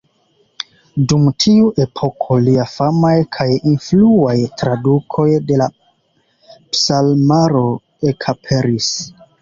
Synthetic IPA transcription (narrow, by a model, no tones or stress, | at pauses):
dumtʰiuʔe̞pʰo̞kʰo̞liafamajkʰajinfluajtɾadukʰo̞jde̞la | psalmaɾo̞ | e̞kʰapʰe̞ɾis